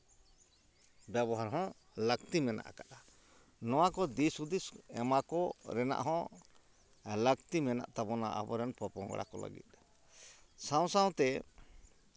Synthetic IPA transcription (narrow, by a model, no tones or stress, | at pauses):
bjɛbɔɦaɾɦɔ̃ | lək̚t̪imɛna̰ʔkaʔa | nɔwakɔd̪isud̪isɛ̰makɔɾɛna̰ʔɦɔ̃ | ləkt̪imɛna̰ʔt̪abɔna̰ʔa̰bɔɾɛnpɔpɔ̃ŋɡɽa̰kɔ̰lə̰ɡḭt̪̚ | saw̃saw̃t̪ɛ